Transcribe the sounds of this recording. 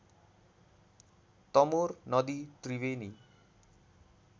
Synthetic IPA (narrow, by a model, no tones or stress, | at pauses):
t̪ʌmornʌd̪it̪riweni